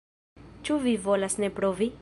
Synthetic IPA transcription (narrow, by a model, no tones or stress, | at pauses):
t͡ʃuvivolasnepɾovi